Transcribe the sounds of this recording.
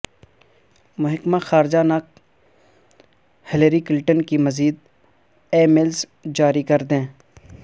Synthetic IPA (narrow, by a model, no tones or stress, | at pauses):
mʊɦɪkmaxaːɾd͡ʒanak̚ | hɪleɾikɪlʈənkimɐziːd̪̚ | eːmelsd͡ʒaːɾikɐɾd̪ẽː